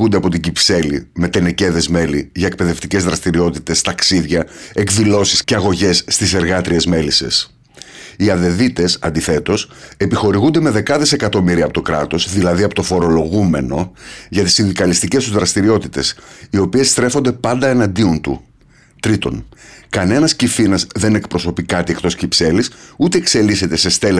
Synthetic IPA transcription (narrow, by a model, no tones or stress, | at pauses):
und̪eɐpo̞t̪iɲɟipse̞lime̞t̪e̞ne̞ce̞ðe̞zme̞liʝɐek̚pe̞ðe̞ft̪ice̞zðɾɐst̪iɾio̞t̪it̪e̞st̪ɐksiðʝɐe̞kðilo̞si̥sce̞ɐɣo̞ʝe̞sːt̪ise̞ɾɣɐt̪ɾie̞zme̞lise̞̰s | iɐðe̞ðit̪e̞sɐ̰nd̪iθe̞t̪o̞se̞pixo̞ɾiɣund̪e̞me̞ðe̞kɐðese̞kɐt̪o̞miɾiɐpo̞t̪o̞kɾɐ̰t̪o̞zðilɐðiɐpo̞t̪o̞fo̞ɾo̞lo̞ɣume̞no̞ʝɐt̪i̥sind̪ikɐlist̪ice̞st̪uzðɾɐst̪iɾio̞t̪it̪e̞sio̞pie̞sːt̪ɾe̞fo̞nd̪e̞pɐnd̪ɐenɐnd̪iont̪ṵ | t̪ɾit̪o̞̰nkɐne̞nɐscifinɐzðe̞ne̞kpɾo̞so̞pikɐt̪iekt̪o̞sciipse̞lisut̪e̞ːkse̞lise̞t̪e̞se̞st̪e̞l